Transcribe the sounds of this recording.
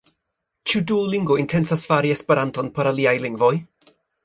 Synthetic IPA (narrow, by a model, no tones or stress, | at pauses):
t͡ʃuduoliŋɡvointʰɛnsasfaɾiɛspeɾantonpʰoɾaliajliŋɡvoj